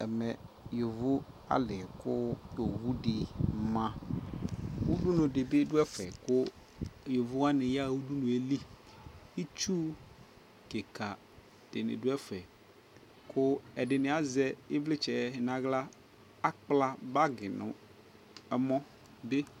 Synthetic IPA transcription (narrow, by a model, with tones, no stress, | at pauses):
ɛ̰˨mɛ˨ | jo˨vʊ˦ | a̰˦lɪ˨kʊ˦jo˨wu˦dɪ˨mã˦ | u˦du˦nʊ̃˨dɪ˨bɪ˦dʊ˦ɛ˦fɛ˨kʊ˦ | jo˨vʊ˦a˦nɪ̃˨ja˦wu˦du˦nʊ̃˨e˦li˦ | i˦t͡ʃu˦ | ke˨ka˨ | d̥ɪ˨nɪ̰˨dʊ˦ɛ˦fɛ˨ | kʰʊ˦ɛ˨dɪ˨nɪ̃˨a˨zɛ˦ɪ˦vlɪ˦t͡ʃɛ˨˦ɦɪ˨nã˨ɣla˦ | a˦k͡pla˦ba˦ɡɪ˨nʊ̰̃˨ | ɛ˨mɔ̃˦ | be˦